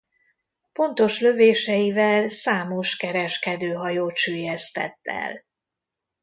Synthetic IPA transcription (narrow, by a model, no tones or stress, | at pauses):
po̞nt̪o̞ʃlø̞veːʃɛjivɛlsaːmo̞ʃkɛɾɛʃkɛd̪øːɦɒjoːʃyːjɛst̪ɛ̰t̪ːɛ̰l